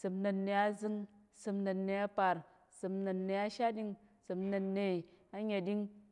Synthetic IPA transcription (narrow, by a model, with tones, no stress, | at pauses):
sɨ˨mnɨ˨˧nːe˧ja˦zɨ˦ŋ | sɨ˨˧mnɨ˨nːe˧ja˦pa˨ɾ | sɨ˧mnɨ˨nːe˧a˦ʃa˦dʲi˧ŋ | sɨ˧mnɨ˧nːe˨a˦ɲe˨di˦ŋ